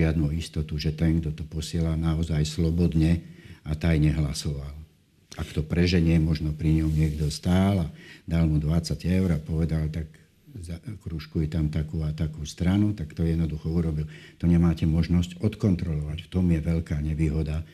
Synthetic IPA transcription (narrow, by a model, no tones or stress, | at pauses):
ɪad̪nuist̪ɔt̪uʒɛt̪ɛŋɡd̪ɔt̪ɔpɔsɪɛlanaɔzajslɔbɔd̪ɲɛat̪ajɲɛɦlasɔʋal | akt̪ɔpɾɛʒɛɲɪɛmɔʒnɔpɾiɲɔʊɲɪɛɡd̪ɔst̪aːlad̪almud̪ʋat͡saɟɛʊɾapɔʋɛd̪alt̪ak | zakɾuʃkujɛt̪amt̪akuat̪akuːst̪ɾanut̪akt̪ɔjɛd̪nɔd̪uxɔuɾɔbilt̪ɔɲɛmaːcɛmɔʒnɔscɔt̪kɔnt̪ɾɔlɔʋacft̪ɔmjɛʋɛʎkaːɲɛʋiːɦɔd̪a